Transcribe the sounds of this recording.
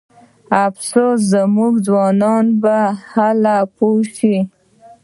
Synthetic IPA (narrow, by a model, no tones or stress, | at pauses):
afsoszamuɡzwɑnɑnbahalapoʃi